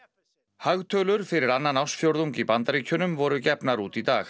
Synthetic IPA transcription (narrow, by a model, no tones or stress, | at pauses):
haɣt̪ʰœːlʏɾ̥fɪɾɪɾanːanawsfjowɾðuŋkipant̪aɾiːcʰʏnʏmvɔɾʏcɛpnaɾuːt̪it̪aːx